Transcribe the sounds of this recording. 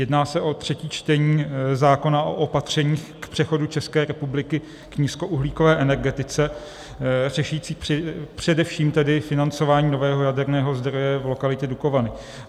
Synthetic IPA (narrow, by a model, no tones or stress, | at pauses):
jɛdnaːsɛʔo̞t̪r̝̥ɛciːt͡ʃt̪ɛɲiːzaːko̞naʔo̰ʔopat̪r̝̥ɛɲiːxkpr̥ɛxo̞dut͡ʃɛskɛːɾɛpublɪkɪ | kɲiːsko̞ʔuɦliːkovɛːʔɛnɛɾɡɛt̪ɪt͡sɛ | r̝ɛʃujiːt͡siːpr̝̥ɛdɛfʃiːmt̪ɛdɪfɪnant͡so̞vaːɲiːno̞vɛːɦo̞jadɛɾnɛːɦo̞zd̪ɾo̞jɛvlo̞kalɪc̪ɛduko̞vanɪ